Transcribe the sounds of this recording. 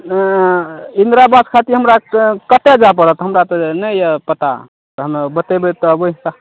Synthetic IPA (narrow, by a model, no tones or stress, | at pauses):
ind̪ɾabaskʰat̪iɦəmɾakət̪ed͡ʒap̬əɾət̪ɦəmɾat̪ɔnəjəpət̪a̰ | t̪ɦəmbət̪ebet̪ɔəbəika